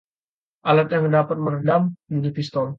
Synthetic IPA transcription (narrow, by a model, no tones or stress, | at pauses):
ʔalat̪̚jaŋdapat̪̚mənədamiŋɡipist̪ɔl